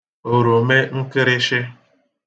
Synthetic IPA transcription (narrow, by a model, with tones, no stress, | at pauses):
o˨ɾo˨me˦ŋ̩˦kɪ˦ɾɪ˦ʃɪ˦